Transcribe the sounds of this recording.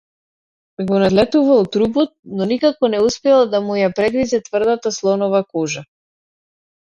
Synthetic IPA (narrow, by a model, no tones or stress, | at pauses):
ɛɡɔnad̪lɛt̪uvalˠt̪ɾubɔt̪̚nɔnikakɔnɛuspɛlˠd̪amujapɾɛɡɾizɛt̪vr̩d̪at̪aslˠɔnɔvakɔʒa